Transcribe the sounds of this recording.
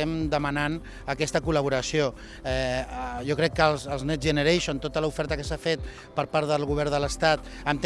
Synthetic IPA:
ɛmd̪əmənan | əkɛst̪əkuləβ̞uɾəsio | ɛʒɔkɾɛkːəlˠzəlˠznɛzʒənəɾɛjʃont̪ot̪ələufɛɾt̪əkəsafet̪̚ | pəɾpaɾðəlˠɣuβɛɾðələst̪at̪ | əmt̪

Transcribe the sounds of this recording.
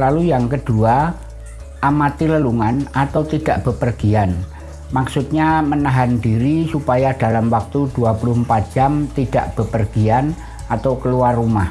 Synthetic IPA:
lalujaŋkəd̥ua | ʔamat̪iləluŋanat̪awt̪id̥aʔb̥əpərɡ̥ian | maksut̪̚ɲamənaɦandiɾisupajad̥alamwak̚t̪uduapulʊɦəmpat̪̚d͡ʒ̥amt̪id̥a̰ʔb̥əpərɡ̥ian | at̪awkəluarːumah

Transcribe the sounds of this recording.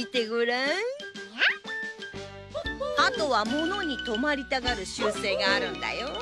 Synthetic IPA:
it̪eɡɯ̟ɾã | at̪o̞βamo̞no̞ɲ̟it̪o̞maɾʲit̪aɡaɾɯ̟ɕɨːse̞ːɡaːɾɯ̟̃nd̪a̰jo

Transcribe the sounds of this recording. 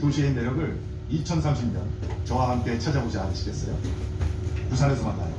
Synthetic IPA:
toɕʰieinːe̞ɾjʌɡɯɭ | it͡ɕʰʌnsʰamɕʰimɲʌ̰nt͡ɕʌŋɦwaɦamk͈e̞t͡ɕʰad͡ʑabod͡ʑianɯɕʰi̥ɡe̞s͈ʌjo̰ | tusʰaɾesʰʌmanda̰jo

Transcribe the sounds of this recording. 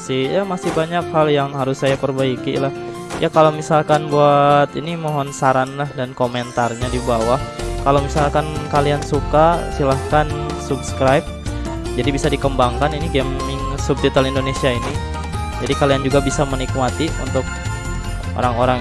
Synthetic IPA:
sɪjamasɪhbaɲak̚haljaŋɦaɾʊsːajapərbaikilah | jʔakalowmisalkanbuat̪inimoɦɔnsaɾanlahdankomɛnt̪arɲadibawahkalowmisalkankaliansukasilahkansubskɾajp̚ | d͡ʒadibisadikəmbaŋkaniniɡɛmɪŋsub̚t̪it̪alindonesiaini | d͡ʒadikaliand͡ʒuɡabisamənik̚mat̪iṵnt̪ʊk̚ | ʔo̰ɾaŋoɾaŋ

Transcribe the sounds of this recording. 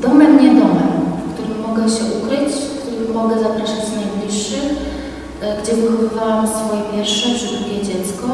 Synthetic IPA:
d̪ɔmɛd̪ɲɛd̪ɔmɛmfkt̪uɾɘmːɔɡɛɕɛʔukɾɘt͡ɕkt̪uɾɘmːɔɡɛzapɾaʂat͡ɕnajblʲiʂːɘ | ɡd͡ʑɛvɘxɔɨvawamsfɔjɛvʲjɛɾʂɛpʂɨzd̪ɾukʲɛd͡ʑɛt̪skɔ

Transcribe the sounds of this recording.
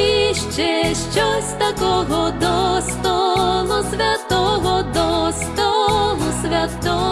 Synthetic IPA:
iʃt͡ʃɛʃt͡ʃɔsʲt̪akɔɦɔd̪ɔst̪ɔlˠusʲʋʲat̪ɔɦɔd̪ɔst̪ɔlˠusʲʋʲat̪ɔ

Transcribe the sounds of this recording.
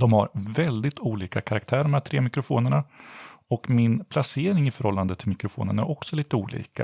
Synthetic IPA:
d̪ɔmha̰ɾvɛld̪ɪt̪ʰuːliːkakʰaɾak̚t̪ʰæːɾɖɔmhæːʈtʰɾeːmɪkɾʊfoːnəɳaɔkmɪnpʰlaseːɾɪŋɪfœɾhɔlːand̪ət̪ʰːɪlmɪkɾʊfo̰ːnənæɾʔɔksɔliːt̪əuːlḭːka̰

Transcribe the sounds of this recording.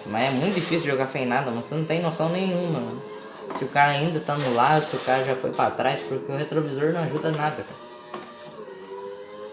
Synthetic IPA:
smɐzɛmũj̃t̪ʊd͡ʒifisuwd͡ʒɪʒoɡasẽj̃nad̪ɐmɐ̃ssenɐ̃w̃t̪ẽj̃nosɐ̃w̃nẽj̃ũmɐm̃ | sɪʊkaɾɐaĩnd̪ɐt̪anʊlad̪ʊsɪʊkaɾɐʒafo̰jpɾat̪ɾajspoɾkeʊɦet̪ɾovizoɾnɐ̃w̃aʒud̪ɐnad̪ɐka

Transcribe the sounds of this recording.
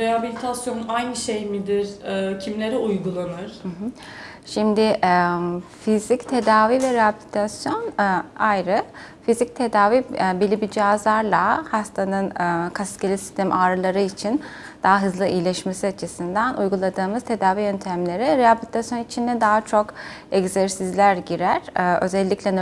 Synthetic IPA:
ɾeɦabilʲit̪ʰasjonajnɯʃejmid̪iɾ̥ɛcʰimlʲe̞ɾiujɡulˠanɯɾ̥hɯɦɯ | ʃimd̪ɪʔɛfizict̪ʰe̞d̪aːvivɛɾeabilʲit̪ʰasjo̞najɾɯ | fizic̚t̪ʰe̞d̪aːvibilʲibid͡ʒiazlˠaɾlˠahast̪ʰanɯnkʰascelʲisi̥st̪ʰɛmʔaːɾɯlˠaɾɯit͡ʃʰin | d̪̥aɦaɦɯzlˠɯʔijlʲɛʃmesiat͡ʃʰɯsɯnd̪anʔujɡulˠad̪ɯːmɯzt̪ʰe̞d̪aːvijønt̪ʰæmlʲe̞ɾɛɾeabilʲit̪ʰasjo̞nit͡ʃʰind̪ɛd̪aɦat͡ʃʰo̞kɛɡzɛɾsizlʲæɾɟiɾæɾ̥ø̞̰zɛlʲːicʰʲlʲɛn

